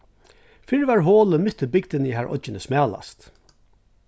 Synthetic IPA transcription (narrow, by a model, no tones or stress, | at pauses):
fɪɹvaɹɦoːləmʏt̪əbɪkd̪ɪniɦæɹʔɔ̰cːɪnəsmæːla̰st̪